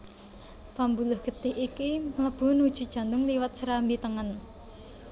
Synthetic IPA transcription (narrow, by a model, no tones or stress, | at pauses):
fambulʊhɡ̥ə̤t̪ɪhikimələb̥ʊ̤nud̥ʒ̥ṳd̥ʒ̥a̤nd̪ʊŋliwət̪̚səɾambit̪əŋən